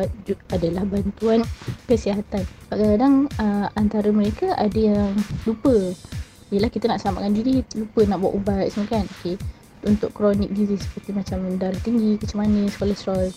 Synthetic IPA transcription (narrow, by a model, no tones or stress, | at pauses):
uadalahbant̪uankəsiaɦat̪anbaʔkakadaŋəant̪aɾəməɾekaʔadəjaŋlupə | ijəlahkit̪anaʔsama̰ʔkand͡ʒidilupənaʔbuwa̰ʔubat̪̚səmakanoke | unt̪ʊʔkɾɔnḭk̚dizisə̥pərt̪imat͡ʃamdaɾat̪iŋɡikət͡ʃəmanəsə̥kolasɾɔl